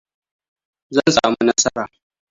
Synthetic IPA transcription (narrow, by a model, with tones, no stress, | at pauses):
zɐ˦nsaː˨mu˦nɐ˦sɐ˦ɾaː˨